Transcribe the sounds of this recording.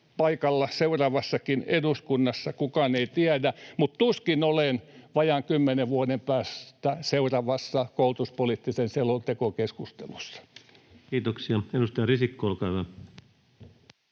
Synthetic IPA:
pɑikɑlːɑseurɑʋɑsːɑkineduskunːɑsːɑkukɑneit̪iædæmutt̪uskinolenʋɑjɑŋkymːeneʋʋuonempæːst̪æseurɑʋɑsːɑkoult̪uspolit̪ːisenselːolt̪ekokeskust̪ḛlusːɑ̥ | kiːt̪oksiɑenust̪ɑjɑrisikːoolkɑˑyʋæ

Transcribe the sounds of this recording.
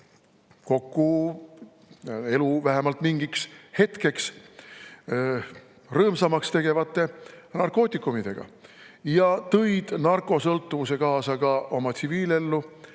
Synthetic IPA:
ko̞kːu | e̞luvæɦemɑlt̪miŋɡikshe̞t̪ke̞ks | rɤːmsɑmɑkst̪e̞ɡ̥e̞vɑt̪ːˑe̞nɑrko̞ːt̪ʲːˑikːˑumid̪e̞ɡ̥ɑ̰ | jɑt̪ɤjd̪̥nɑrkˑo̞sɤlt̪ːuvuse̞kɑːsɑɡ̥ɑʔo̞mɑt̪siviːle̞lːu

